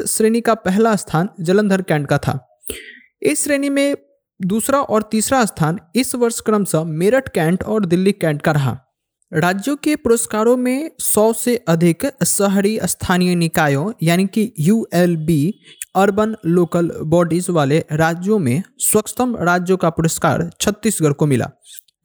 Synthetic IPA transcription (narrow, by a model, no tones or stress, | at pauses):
sɾeːnikapɛɦlast̪ʰaːnd͡ʒələ̃nd̪ʱəɾkɛ̃ːɳʈ̚kat̪ʰa̰ː | ɪsːɾeːnimẽ | d̪uːsɾaʔɔːɾt̪iːsɾast̪ʰaːnɪsʋɐɾʃkɾəmsə̃meːɾəʈʰkɛ̃ːɳʈɔːɾd̪ɪlːikɛ̃ːɳʈkaɾɐɦa̰ː | ɾaːd͡ʒjõkepʊɾoskaːɾõmẽsɔːseʔɐd̪ʱɪksəɦɾist̪ʰaːnijənɪkaːjõjaːnikijuːeːlbiɐɾbənːoːkəlbɔːɖizʋaːleɾaːd͡ʒjõmẽswəkst̪əmɾaːd͡ʒjõkapʊɾəska̰ːɾt͡ʃʰət̪ːiːsɡəɽkomɪla̰ː